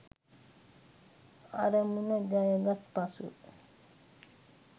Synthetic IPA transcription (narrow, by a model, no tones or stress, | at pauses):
a̰ɾəmunəd͡ʒajəɡat̪̚pasṵ